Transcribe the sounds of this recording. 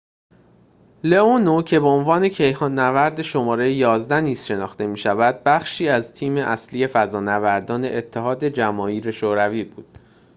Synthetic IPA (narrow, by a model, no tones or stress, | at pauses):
leonocʰe̞beonvɒːne̞cʰe̞jhɒːnːævæɾd̪eʃo̞mɒːɾe̞jejɒːzd̪æniːz̥ʃe̞nɒːxt̪e̞miːʃævæd̪̚bæχʃiːæzt̪ʰiːmeʔæsliːje̞fæzɒːnævæɾd̪ɒːne̞̰ʔet̪ʰːehɒːd̪e̞d͡ʒæmɒːiːɾe̞ʃoɾæviːbṵːd̪̥